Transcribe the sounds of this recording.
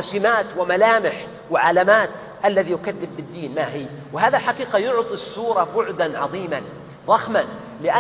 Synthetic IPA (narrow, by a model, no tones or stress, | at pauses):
ɑsɪmaːt̪wɪmalaːmɪħ | wɪʕalamaːt̪ʔalːaðijʊkaðːɪbːɪd̪ːiːnmaɦɪ | wɪɦaːðalħaqiːqɑjʊʕt̪ˤisːuːɾˤɑbʊʕd̪anʕɑðˤiːman | ðˤɑxman | lɪʔa